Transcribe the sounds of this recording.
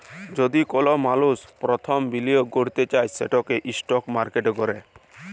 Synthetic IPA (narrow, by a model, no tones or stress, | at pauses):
d͡ʒod̪ikɔlɔmaluspɾɔt̪ʰɔmbilioɡoɽ̤t̪et͡ʃajseʈɔkeʔisʈɔkmaɾkeʈɡɔɾe